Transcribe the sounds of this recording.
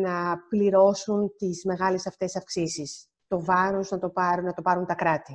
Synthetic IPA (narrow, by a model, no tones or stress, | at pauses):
nɐpliɾo̞sunt̪izme̞ɣɐlesɐft̪e̞sɐfksisis | t̪o̞vɐɾo̞znɐt̪o̞pɐɾunɐt̪o̞pɐɾunt̪ɐkɾɐt̪i